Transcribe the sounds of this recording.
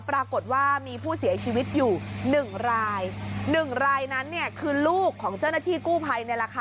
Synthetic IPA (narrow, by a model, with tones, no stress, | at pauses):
pɾaː˧ko˨˩t̪̚waː˥˩miː˧pʰuː˥˩si˨˩˦ɐt͡ɕʰiː˧wi˦˥t̪̚juː˨˩nɯ˨˩ŋɾaː˧jnɯ˨˩ŋɾaː˧jna˦˥nːi˥˩əkʰɯː˧luː˥˩kʰːɔː˩˦ŋt͡ɕa˥˩wna˥˩t̪ʰiː˥˩kuː˥˩pʰa˧jna˧jɾa˧kʰaː˧